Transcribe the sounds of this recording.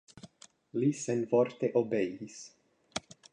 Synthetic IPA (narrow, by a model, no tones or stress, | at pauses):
lisenfoɾt̪eʔobejis